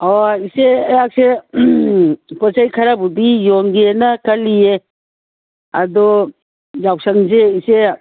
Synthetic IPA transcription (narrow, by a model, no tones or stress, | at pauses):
ɔiseːjak̚se | pɔt͡ʃajkʰaɾabudijɔŋɡenakalije | ɐ̰dɔ | d͡ʒawsaŋzeise